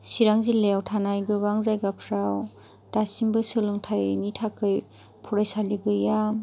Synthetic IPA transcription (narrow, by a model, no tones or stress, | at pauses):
siɾaŋzileawtʰanajɡɯwaŋzajɡapʰɾaw | tasimbɯsɯlɯŋtʰajnitʰakʰɯj | pʰuɾajsaliɡɯja